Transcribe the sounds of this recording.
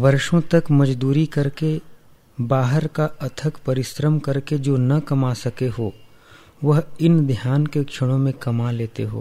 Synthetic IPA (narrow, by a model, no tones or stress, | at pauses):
ʋɐɾʃõt̪ɐkmɐd͡ʒd̪uːɾikɐɾke | baːɦəɾkaɐt̪ʰəkpɐɾɪsɾəmkɐɾked͡ʒoːnɐkɐmasɐkeɦoː | ʋɐɦɪnd̪ʱjaːnkekʃʰəɽ̃õmẽkɐmaleːt̪ḛɦo̰ː